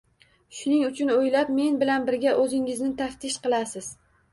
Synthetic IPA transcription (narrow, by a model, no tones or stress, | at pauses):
ʃʊnɪŋʊt͡ʃʰʊnojlapme̞nbɪlanbɪɾɡʲaʔɵzɪŋɪznɪt̪ʰaft̪ʰɪʃqɨlˠasɪz̥